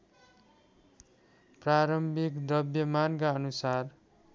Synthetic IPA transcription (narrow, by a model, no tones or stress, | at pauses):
praɾʌmbʱikd̪ʌbjʌmankaʌnusar